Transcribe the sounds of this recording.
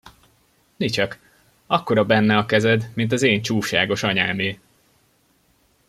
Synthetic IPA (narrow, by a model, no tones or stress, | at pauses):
nit͡ʃɒk | ɒkːo̞ɾɒbɛnːɛɒkɛzɛd̪mint̪ɒzeːɲt͡ʃuːʃa̰ːɡo̞ʃɒɲaːmeː